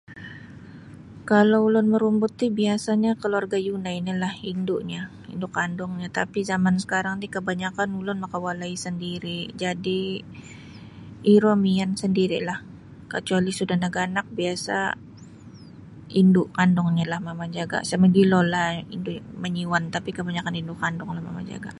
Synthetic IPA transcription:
kaloulʊnməɾumbut̪ːibiasaɲakəluarɡajunainilahindʊʔɲa | ḭndʊkandɔŋɲat̪apizamansə̥kaɾaŋdikəbaɲakanulʊnmakawalaisəndiɾid͡ʒadi | iɾomiansəndiɾḭlah | kət͡ʃualisudahnaɡanak̚biasa̰ | indʊʔkandɔŋɲalahmamad͡ʒaɡa̰saməɡilolaḭndʊʔməɲiwant̪apikəbaɲakanindʊʔkandɔŋlahma̰ma̰d͡ʒa̰ɡa̰

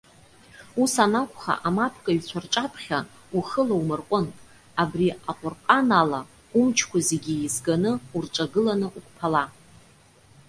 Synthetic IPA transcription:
usanakʷʰʼχa̰ʔamapʰkʼaɥt͡ɕʷʰarʈ͡ʂʼapʰχʲa | uχəlaumɨrqʷʼʊnʼ | abriaqʷʼʊrqʼanala | ʊmt͡ʃʰkʷʰazeɡʲiːzɡanɨurʈ͡ʂʼaɡɨlanɨʔukʷʰʼpʰala

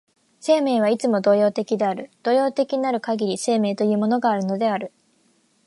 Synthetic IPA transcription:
se̞ːme̞ːβ̞ait͡sɨmo̞d̪o̞ːjo̞ːt̪e̞kʲid̪e̞aɾɯ̟d̪̥o̞ːjo̞ːt̪e̞kʲiɲinaɾɯ̟kaɡʲiɾʲise̞ːme̞ːt̪o̞jɯ̟ːmo̞no̞ɡaːɾɯ̟no̞d̪e̞aɾɯ̟

